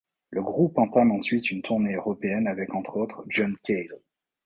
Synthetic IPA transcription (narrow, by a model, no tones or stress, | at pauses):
ləɡʁupɑ̃t̪amɑ̃sɥit̪ynt̪ʰuʁneøʁɔpeɛnavɛkɑ̃t̪χot̪χʒɔnkʲʰel